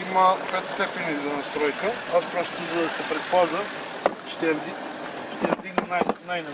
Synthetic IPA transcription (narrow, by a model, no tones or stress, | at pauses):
iməpɛt̪st̪ɛpɛnizɐnɐst̪ɾɔjkəaspɾɔst̪ʊzɐd̪ɐsɛpɾɛpazə | ʃt̪ɛɐvd̪i | ʃt̪ɛjɐvd̪iɡnɐnajnajnɐ